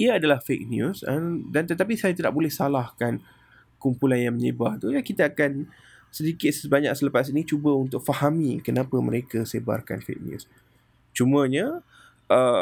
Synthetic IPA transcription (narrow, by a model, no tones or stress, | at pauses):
iəadalahfek̚njusədant̪ət̪ap̬isajat̪ida̰ʔ̚bolɛhsalahkan | kumpulanjaŋməɲəbaht̪ujakit̪aːkan | sədikɪt̪̚səbaɲak̚sələpas̬init͡ʃubəunt̪ʊk̚fahamikənãpəməɾekəseba̰rka̰nfḛk̚njṵs | t͡ʃumə̃ɲə | ʔə